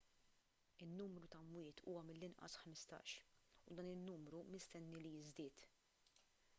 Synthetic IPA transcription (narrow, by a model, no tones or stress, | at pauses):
ɪnːuːmɾut̪ɐmwɪːt̪ʰṵːwɐmɪlːɪnʔɐ̰sħmɪst̪ɐ̰ːʃʊd̪ɐːnɪnːuːmɾumɪst̪ɛnːilijɪzd̪ɪːt̪